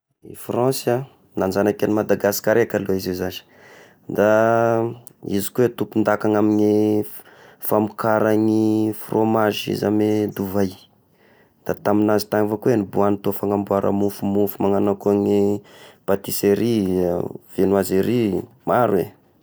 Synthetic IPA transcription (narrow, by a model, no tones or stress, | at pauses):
ḭfrɔ̃sa | nanzanakanimad̪aɡasi̥kaɾekaloizezani̥ | d̪a | ḭzi̥kuet̪upund̪akaŋamiɲi | famukaɾaŋifrʔomaʒḭzamed̪uvaj | d̪̥at̪aminazi̥t̪aŋivokuwenibuanit̪uafaŋambuaɾʔa̰mufumufumaŋanakuaŋipat̪iseɾi | v̥enuaziɾi | maɾuḛ